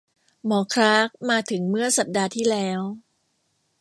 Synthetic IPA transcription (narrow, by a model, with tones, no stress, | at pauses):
mɔː˩˦kʰɾaː˦˥k̚maː˧t̪ʰɯ˩˦ŋmɯ˥˩ɐsa˨˩p̚daː˧t̪ʰiː˥˩lɛː˦˥w